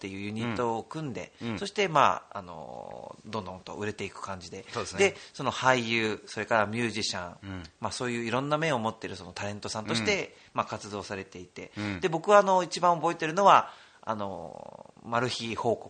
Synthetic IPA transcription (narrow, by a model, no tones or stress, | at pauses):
t̪ːe̞jɯ̟ːjɯ̟ɲ̟it̪ːo̞ːkɯ̟̃nd̪e̞so̞ɕi̥t̪e̞ma̰a̰no̞̰d̪õ̞nd̪õ̞nt̪o̞̰ʔɯ̟ɾe̞t̪e̞ikɯ̟̥kãɲ̟d͡ʑid̪e̞od̪e̞so̞no̞haijɯːso̞ɾe̞kaɾamʲɨːʑiɕã̰ŋmaso̞ːjɯ̟ːiɾõ̞nːamẽ̞ɰ̃omo̞t̪ːe̞ɾɯ̟so̞no̞t̪aɾẽ̞nt̪o̞sãnt̪o̞ɕi̥t̪e̞ | makat͡sɨd̪o̞ːsaɾe̞t̪e̞it̪e̞̰d̪e̞bo̞kɯβaːno̞it͡ɕibãɰ̃o̞bo̞e̞t̪e̞ɾɯ̟no̞βa | a̰no̞̰ | maɾɯ̟çiho̞ːko̥